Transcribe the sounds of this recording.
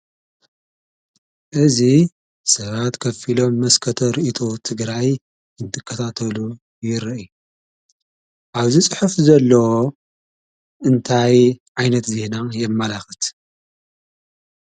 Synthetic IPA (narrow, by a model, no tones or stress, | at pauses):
ʔɨzi | sɐβat̪kʰɐfilo̞mːɐskʰɐt̪ʰoɾiʔit̪ʰo̞t̪ʰɨɡɾaj | ɨnt̪ʰɨkʰːɐt̪ʰat̪ʰɐlu | jɪɾʔju | ʔaβzit͡sʼɨħufzɐlːɐwo | ʔɨnt̪ʰajʕajnɐt̪zenajɛmːɐlaxɨt̪